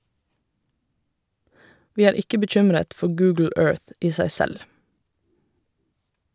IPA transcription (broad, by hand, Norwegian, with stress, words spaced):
ˈʋiː ˈæːɹ ˈɪkə bəˈc͡çʏmɾət ˈfɔ ˈɡʉːɡl̩ ˈøːɹθ ˈiː ˈsæɪ ˈsɛl